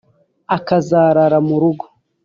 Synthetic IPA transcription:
akazaːɾaɾamuɾuɡo̥

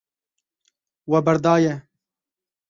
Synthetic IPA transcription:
wɛbɐɾd̪ɑːjɛ

